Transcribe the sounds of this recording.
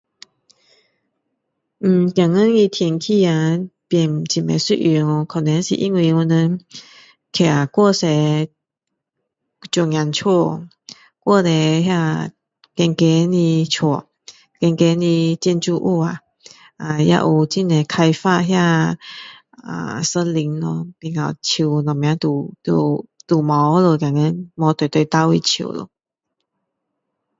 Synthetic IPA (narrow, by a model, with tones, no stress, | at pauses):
m̩˨˩kja˨˩ŋə˥˨ni˧t̪ʰjɛ˧˩ŋkʰi˥˧a˨pjɛ˨˩nt͡ɕi˨˩mḛ˨˩sḭ˥˧ʔi˧˩ŋɔ˧kʰa˨˩nɛ˨˦nɕḭ˨ʔi˧˥ŋwi˧ŋu˧nə̃˧ | kʰɛ˨a˨˩kwɔ˥˨sɛ˨˧˦ | t͡ɕu˨˧˩ŋja˨˧nt͡ɕʰɔ˥˧˨ | kwɔ˥˧˨d̪ɛ˨ɦja˥˧ | kɛ˧ŋke˦nĩ˧t͡ɕʰɔ˨˩ | kɛ˧ŋke˧˦nĩ˧t͡ɕi˧˥˧nt͡ɕu˧ʔṵ˧a˨ | a˨ja̰˧ʔu˨˩t͡ɕi˥˧˨ne˨kʰa˧jfa˥˧ɦja˥˧˨ | a̰˨sə˦nli˨˦nlɔ˧pi˨˩ŋa˨˩t͡ɕʰi˨nɔ˨˩ŋmj̃ã˧˦t̪u˨˩t̪ṵ˧t̪u˨˩mɔ˨˦o˦lo˨˩kja˨˩ŋɛ˧˦mɔ˨˧˦t̪e˨˩˨t̪we˧˩t̪a˧˦wi˧t͡ɕʰṵ˨˩˨lo̰˧˦